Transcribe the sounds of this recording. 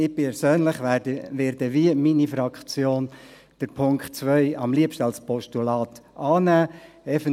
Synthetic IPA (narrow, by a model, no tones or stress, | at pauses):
ɪpɛɾsøːnlɪχdəʋɛːɾdəʋiəminifɾɑkχt͡sjoːn | d̥əɾpʰʊŋkχtt͡sʋœɪɑmliəpʃtəɑlspʰɔʃtulɑːtʔɑːnæː | ɛfən